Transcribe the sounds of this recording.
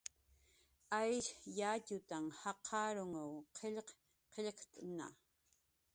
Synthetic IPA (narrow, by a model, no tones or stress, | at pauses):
ajʃjaːcʊt̪amhɑqʰɑɾʊŋawqʰeʎq | qeʎqt̪ʼna̰